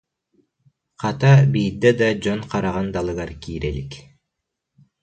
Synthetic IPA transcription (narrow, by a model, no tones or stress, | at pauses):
qʰɑt̪ɑbijd̪ed̪ɑd͡ʒonqʰɑɾɑʁɑnd̪ɑlˠɯɡɑɾkiːɾelik